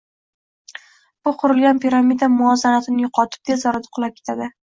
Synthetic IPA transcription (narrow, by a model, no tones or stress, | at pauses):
b̥ʊqʰʊɾɪlɡʲanpʰiɾamid̪amʊɒzanat̪ɪnɪjʊqʰɒt̪ʰɪ̥p̚d̪ezɒɾad̪ḁqʰʊlˠap̚kʰʲet̪ʰad̪ɪ